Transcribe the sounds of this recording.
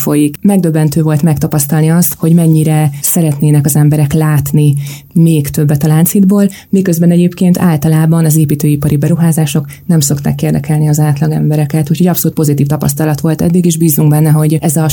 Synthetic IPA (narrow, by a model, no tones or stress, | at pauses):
fo̞jikmɛɡ̚d̪øbːɛnt̪øːvo̞lt̪mɛk̚t̪ɒpɒst̪ɒlniɒst̪ho̞ɟmɛɲːiɾɛsɛɾɛt̪neːnɛkɒzɛmbɛɾɛklaːt̪ni | meːkt̪ø̞bːɛt̪ɒlaːnsid̪boːl | mikø̞zbɛnɛɟeːpkeːnt̪ʰa̰ːlt̪ɒlaːbɒnɒzeːpiːt̪øːipɒɾibɛɾuɦaːzaːʃo̞k | nɛmso̞kt̪a̰ːkːeːrd̪ɛkʰɛlniɒzaːt̪lɒɡɛ̰mbɛɾɛkɛt̪uːcho̞ɟɒpsoluːt̪po̞zit̪iːft̪ɒpɒ̰st̪ɒlɒt̪ʋo̞lt̪ɛ̰d̪ːiɡeːʒbiːzːuŋɡbɛnːɛɦo̞ɟɛzɒ